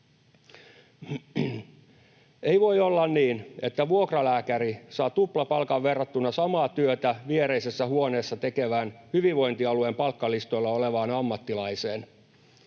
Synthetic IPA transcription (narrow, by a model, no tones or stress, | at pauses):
eiʋo̞jolːɑnniːne̞t̪ːæʋuokrɑlæːkæɾisɑːt̪uplɑpɑlkɑʋʋerːɑt̪ːunːɑsɑmɑːt̪yøt̪æʋieɾe̞isesːæhuoneːsːɑt̪e̞ke̞ʋæːnhyʋiʋʋo̞jnt̪iɑluempɑlkːɑlist̪o̞ilːɑoleʋɑːnɑmːɑt̪ːilɑiseːn